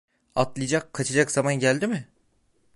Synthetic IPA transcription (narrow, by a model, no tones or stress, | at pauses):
at̪lˠɯjd͡ʒakʰːat͡ʃʰad͡ʒakz̥amanɟælʲd̪imɪ